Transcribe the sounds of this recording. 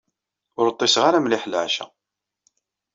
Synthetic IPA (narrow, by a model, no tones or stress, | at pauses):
ʊɾət̪ˤːɪsʁaɾamlɪħlʕʃæ̰